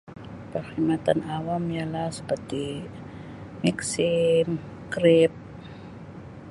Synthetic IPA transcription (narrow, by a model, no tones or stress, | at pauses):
pəsimat̪anawamjalahsə̥pərt̪i | miksɪm | kɾɪp̚